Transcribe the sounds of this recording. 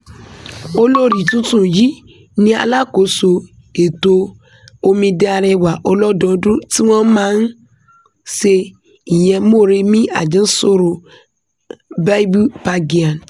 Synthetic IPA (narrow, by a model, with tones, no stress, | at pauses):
o˦lo˦ɾi˨tũ˦tũ˦˨ji˨˦ | nĩ˦a̰˧la˦ko˨˦so˧ | e˨to˧ | o˧mĩ˧de˦a˧ɾɛ˧wa˨ʔɔ˧lɔ˦dɔ̃˨˦dũ˦ti˦w̃ɔ̃˦mãː˦n̩˦ | se˧ | i˨j̃ɛ̃˧mo˦˨ɾe˧mĩ˦a̰˦˨d͡ʒĩ˨˦so˦ɾo˧ | ba˦i˦bu˦pa˧ɡi˨ã˨n